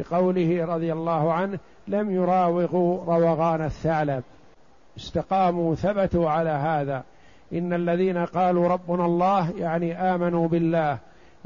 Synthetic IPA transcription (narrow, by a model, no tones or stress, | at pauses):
ɪqɑwlɪhɪɾˤɑðˤɪjalˤːɑːhʊʕanh | lamjʊɾˤɑːwɪɣuːɾˤɑwɑɣɑːnaθːaʕlab | ʔɪst̪aqɑːmuːθabat̪uʕalaːɦaːðaː | ʔɪnːalːaðiːnaqɑːluːɾˤɑbːʊnalˤːɑːɦjaʕniʔaːmanuːbɪlːaːh